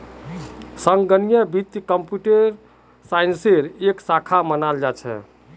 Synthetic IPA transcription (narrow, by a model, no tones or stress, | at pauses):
səŋɡənijəbit̪jkəmpjuʈeɾ | sainseɾeksakʰamənald͡ʒat͡ʃʰɛ̰